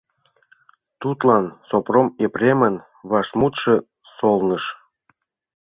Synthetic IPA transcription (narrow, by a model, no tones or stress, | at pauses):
t̪ut̪lɑnsopromeprʲemən | βɑʃmut̪ʃɤ̆ | solnə̆ʃ